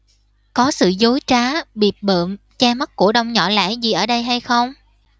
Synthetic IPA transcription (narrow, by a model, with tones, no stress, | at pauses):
kɔ˨˦sɨ̰˧˨zo˨˦jt͡ɕaː˨˦ɓi˨˩əp̚ɓə̰ː˧˨m | t͡ɕaː˧ma˦˥t̚ku˧˩əɗə˧wŋ͡mɲɔ̰˧˩la̰ː˧˥jzi˨˩ʔəː˧˩ɗə˧jɦa˧jxə˧wŋ͡m